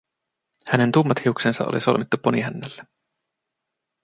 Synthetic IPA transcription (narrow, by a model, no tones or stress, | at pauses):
hæne̞nt̪umːɑt̪hiuksensɑ̰ʔo̰lḭso̞lmit̪ːupːoniɦænːelːe